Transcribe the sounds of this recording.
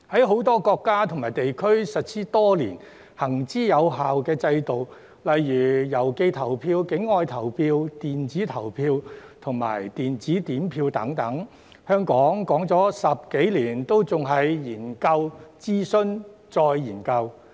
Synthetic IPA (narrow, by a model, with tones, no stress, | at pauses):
hɐ˨˥jɦo˨˥wt̪ɔː˥kɔː˧kːaː˥t̪ʰʊ˨ŋmaː˨˩jt̪e˨jkʰɵ˥ɥsɐ˨t̚sʰiː˥t̪ɔː˥liː˨˩n | hɐ˨˩ŋt͡siː˥jɐ˨˧wɦaː˨wkɛː˧t͡sɐ˧jt̪o˨˩w | lɐ˨jːyː˨˩jɐ˨˩wke˧jt̪ʰɐ˨˩wpʰiː˧wkɪ˨˥ŋːɔː˧jt̪ʰɐ˨˩wpʰiː˧wt̪iː˨nt͡siː˨˥t̪ʰɐ˨˩wpʰiː˧wt̪ʰʊ˨˩ŋma̰ː˨˩jt̪iː˨nt͡siː˨˥t̪iː˨˥mpʰiː˧wt̪ɐ˨˥ŋt̪ɐ˨˥ŋ | hœː˥ŋkɔː˨˥ŋkɔː˨˥ŋt͡sɔː˨˥sɐ˨p̚ke˨˥jliː˨˩nt̪o˥wt͡sʊ˨ŋɦɐ˨jjiː˨˩nkɐ˧wt͡siː˥sɵ˥nt͡sɔː˧jːiː˨˩nkɐ˧w